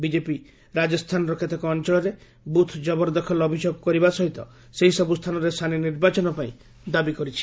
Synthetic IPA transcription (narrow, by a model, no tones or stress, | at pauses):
bid͡ʒepi | ɾad͡ʒɔst̪ʰanɔɾɔkʰet̪ʰɔkɔːnt͡ʃɔɭɔɾe | but̪ʰd͡ʒɔbɔɾd̪ɔkʰɔlɔbʱisoɡɔkɔɾibasɔɦit̪ɔ̰ | seɦisɔbust̪ʰanɔɾest̪ʰaniniɾbat͡ʃɔnɔpaĩ | d̪abikɔɾit͡ʃʰi̥